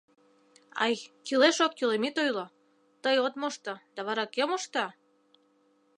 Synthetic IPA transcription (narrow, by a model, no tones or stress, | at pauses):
ɑ̰jkileʃokkylemit̪ojlo | t̪əjot̪moʃt̪ɤd̪̥ɑβɑɾɑkemoʃt̪ɑ